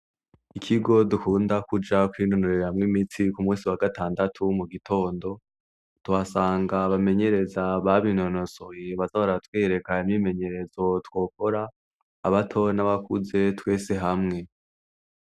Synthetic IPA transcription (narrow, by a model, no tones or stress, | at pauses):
ikʰiɡo̞dukuːndakud͡ʒakwiːno̞noɾeɾamŋimitʰikumuːsiwaɡataːndatʰumuɡitʰo̞ːndo̞ | tuhasaːŋɡaβame̞ɲe̞ɾe̞zaβaβino̞no̞so̞jeβazaoɾatweːɾe̞kaimime̞ɲe̞ɾe̞zo̞two̞ːko̞ɾaː | βatʰo̞naβakuze̞twe̞ːse̞ɦamŋe̞